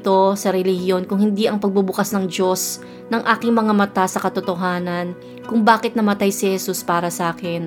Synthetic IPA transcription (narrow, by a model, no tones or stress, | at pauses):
t̪o̞sɐɾɛlɪhjo̞nkʊŋhɪnd̪iʔɐŋpɐɡ̚bubʊkasnɐŋd͡ʒo̞s | nɐŋʔaːkɪŋmɐŋamɐt̪asɐkɐt̪ʊt̪oɦaːnɐn | kʊŋbaːkɪt̪̚nɐmɐt̪ajsɪhɛsuspaːɾɐsɐʔaːkɪn